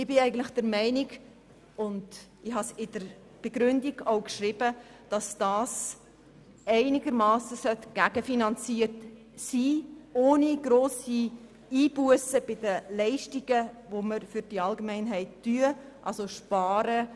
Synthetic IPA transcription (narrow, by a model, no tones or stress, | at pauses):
ɪb̥ɪɛɪɡən̩tlɪxd̥ɛɾmɛɪniɡ | ʊndɪhɑsɪdəɾ | b̥eɡ̥ɾʏndiɡ̥oʊkʃɾɪb̥ə | d̥ɑsd̥ɑːs | ɛɪnɪɡəɾmɑːsəsœtɡ̥æɡəfinɑnt͡siːəɾt | siːoːniɡ̥ɾoːsi | iːb̥uəsəb̥ɪdəlɛɪʃtiɡ̥əvoməɾfʏɾd̥iɑlɡəmɛɪnɦɛɪtːyəʔɑ̰lsoʃpɑːɾə